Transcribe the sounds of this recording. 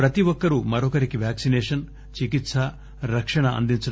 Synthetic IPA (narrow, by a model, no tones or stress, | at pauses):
pɾɐt̪iʋɔkːɐɾumɐɾɔkɐɾikiʋjaːksineːʂɐn | t͡ʃikit̪sɐ | ɾɐkʂɐɳɐɐ̰nd̪int͡ʃu